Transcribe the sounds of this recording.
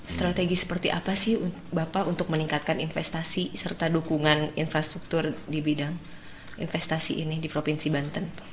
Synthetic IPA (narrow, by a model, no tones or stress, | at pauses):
st̪ɾat̪eɡisə̥pərt̪iʔa̰pasɪhu | bapaunt̪ʊk̚məniŋkat̪̚kaninfɛst̪asisərt̪adukuŋaninfɾast̪ɾuk̚t̪ʊrdibidaŋ | ḭnfɛst̪asḭʔinidipɾopinsibant̪ən